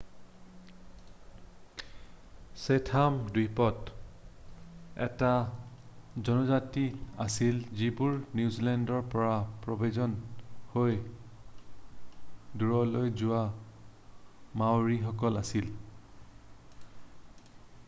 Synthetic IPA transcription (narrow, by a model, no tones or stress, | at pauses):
setʰamdipɔt | ɛ̰ta | zɔnɔzatiasilzibuɹnjuzilɛndɔɹpɔɹapɹɔbezɔnhoj | duɹɔlojzʊwa | mawɹixɔkɔlasil